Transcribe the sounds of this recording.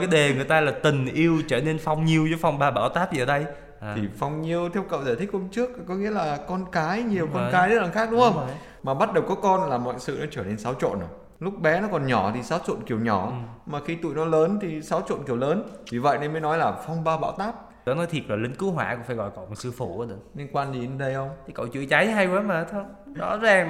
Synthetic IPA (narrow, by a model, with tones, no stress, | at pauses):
kaː˨˦jɗe˨˩ŋɨ˨˩əjt̪aː˧laː˨˩t̪ï˨˩ŋ̟ʔi˧əwt͡ɕəː˧˩ne˧nfa˧wŋ͡mɲi˧əwzɔ˨˦jfa˧wŋ͡mɓaː˧ɓa̰ː˧˩wt̪aː˦˥p̚zəː˨˧˩ɗə˧j | tʰi˨˩fa˧wŋ͡mɲi˧əwt̪ʰɛ˧wkə̰˧˨wzaː˧˩t̪ʰï˦˥k̚ːo˧nt͡ɕɨ˦˥ək̚kɔ˨˦ŋḭ˧˥əlaː˨˩kɔ˧nkaː˨˦jɲi˨˩əwkɔ˧nkaː˨˦jzə˦˥t̚laː˨˩xaː˦˥k̚ɗʊ˨˦ŋ͡mxə˧wŋ͡m | maː˨˩ɓa˦˥t̚ɗə˨˩wkɔ˨˦kɔ˧nlaː˨˩mɔ̰˧˨jsɨ̰˧˨nɔ˨˦t͡ɕəː˧˩ne˧nsa˨˦wt͡ɕo̰˧˨n˨˩ | lʊ˦˥k͡p̚ɓɛ˨˦nɔ˨˦kɔ˨˩nɲɔ˧˩t̪ʰi˨˩saː˨˦wt͡ɕo̰˧˨nki˨˩əwɲɔ˧˩maː˨˩xi˧t̪ṵ˧˨jnɔ˨˦ləː˨˦nt̪ʰi˨˩sa˨˦wt͡ɕo̰˧˨nki˧˩əwləː˨˦nvi˨˩və̰˧˨jne˧nmə˨˦jnɔ˨˦jlaː˨˩fɔ˧wŋ͡mɓaː˧ɓa̰ː˧˨wt̪aː˦˥p̚ | ɔ˨˦nɔ˨˦t̪ʰi˨˩əp̚laː˨˩lï˨˦ŋ̟kɨ˨˦ɦwa̰ː˧˩kʊ̰˧˥ŋ͡mfaː˧˩jɣɔ̰˧˨jkɔ˧˨˩sɨ˧fu˧˩˨ɗɨ˨˩ək̚li˧ənkwaː˧nli˨˩ə˨˧˦ɗə˧jhə˧wŋ͡mʰkə̰˧˨wt͡ɕɨ̰˧˨jt͡ɕa˨˦jə˨˦ɦa˧jkaː˨˦məː˨˩t̪ʰə˧wŋ͡m | zɔ̰˨˦zaː˨˩ŋ